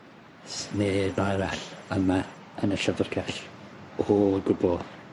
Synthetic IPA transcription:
snenajɾaɬəma | ənəɬəvərɡaɬhoɡʊbɔ

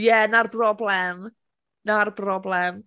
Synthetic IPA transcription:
jɛnarbrɔblɛm | narbrɔblɛm

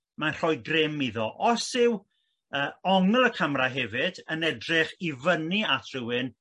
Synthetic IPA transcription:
manr̥ɔjɡrɪmiðɔʔɔsɪw | əːɔŋəlˠəkʰəmraɦɛvɪd̥ənɛdrɪχivəniatʰrɪwɪn

